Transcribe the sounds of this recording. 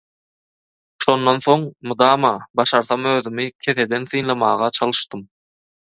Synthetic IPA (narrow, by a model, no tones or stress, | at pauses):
ʃo̞nd̪ːonθo̞ŋmɯd̪ɑːmɑbɑʃɑɾθɑmøːðymikʲʰe̞θe̞d̪e̞nθɯːnlˠɑmɑːʁɑt͡ʃʰɑlˠɯʃt̪ɯm